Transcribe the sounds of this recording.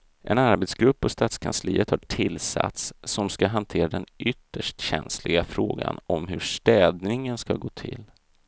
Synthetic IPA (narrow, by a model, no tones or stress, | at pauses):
ʔɛnaɾbɛt̪sɡɾɵpːɔst̪aːt̪skʰansliːət̪haʈʰɪlsa̰t̪sːɔmskaɦant̪ʰeːɾad̪ɛnʏt̪ːəʂʈɕɛnslɪɡafɾoːɡa̰nɔmɦɵʂt̪ɛːd̪nɪŋənskaɡoːt̪ʰɪl